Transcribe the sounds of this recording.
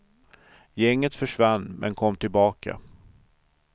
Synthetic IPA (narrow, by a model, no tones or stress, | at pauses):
jɛŋːət̪fœʂvanːmɛ̰nkʰɔmːt̪ʰɪlbɑːkʰa̰